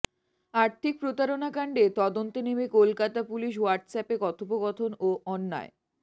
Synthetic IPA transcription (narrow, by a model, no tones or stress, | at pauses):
aɾt̪ʰik̚pɾot̪aɾonakaɳɖet̪ɔd̪ont̪onemekolkat̪apuliʃ̬waɾʈsɛpekɔt̪opoɡɔt̪ʰonoʔɔnːa̰e